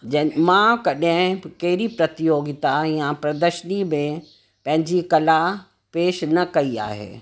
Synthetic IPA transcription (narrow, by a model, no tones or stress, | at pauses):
d͡ʑɐmãkɐɗɦɪ̃kɐɦɪɾipɾɐt̪ɪjoːɡɪt̪aiːãpɾɐd̪əʃənimẽ | pɐ̃ɦɪ̃ɲd͡ʑikɐla | peːʃnɐkɐia̰ːɦḛː